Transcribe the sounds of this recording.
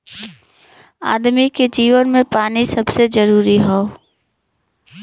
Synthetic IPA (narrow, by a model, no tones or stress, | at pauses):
a̰ːd̪miked͡ʒiːʋənmẽpaːnisɐbsed͡ʒəɾuːɾiɦo